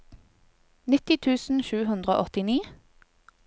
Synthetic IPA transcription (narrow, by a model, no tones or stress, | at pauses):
nɪt̪ɪt̪ʰʉːsn̩ʃʉːhʉnd̪ʁəo̰ːʔɔt̪ɪniː